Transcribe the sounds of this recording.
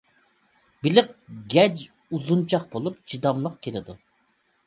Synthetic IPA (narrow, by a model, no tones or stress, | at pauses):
b̥ɪlɪq̚ɡʲɛd͡ʒ | uzunt͡ʃʰɑχbolˠup̚t͡ʃʰid̪ɑmlˠəqkʲʰelɪd̪u